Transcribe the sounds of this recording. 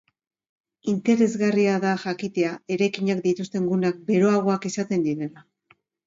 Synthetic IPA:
int̪e̞ɾe̞zɣariaðaʝakit̪e̞ae̞ɾajkiɲakd̪it̪ust̪e̞ŋɡunak̚be̞ɾo̞aɣ̞o̞akisat̪e̞nd̪iɾe̞la

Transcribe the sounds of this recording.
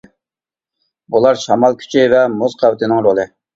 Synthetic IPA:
bulˠɑɾʃɑmɑlˠkʲʰy̥t͡ʃʰivɛmozqʰɑwɪt̪ʰɪnɪŋɾolˠɨ

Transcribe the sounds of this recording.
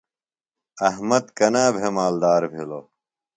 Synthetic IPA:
ɐhmɐt̪kɐnaːbʱemaːld̪aːɾbʱiloː

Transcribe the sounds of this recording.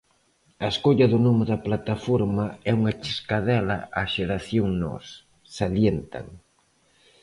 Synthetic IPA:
ɐeskoʎɐðʊnomɪðɐplat̪afoɾmaɛuŋat͡ʃiskaðɛlɐ̰ʔaʃeɾaθjoŋnɔ̰s | saljent̪a̰ŋ

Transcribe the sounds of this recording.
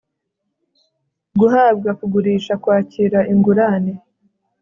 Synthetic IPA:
ɡuɦaːb̚ɡakuɡuɾiːʃakwaːciːɾaʔiŋɡuɾaːne

